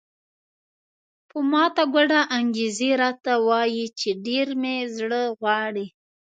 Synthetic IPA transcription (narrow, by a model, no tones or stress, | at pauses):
pəmɑt̪aɡaɖaʔaŋɡezeɾɑt̪awɑjit͡ʃeɖeɾmezɽəɣwɑɽi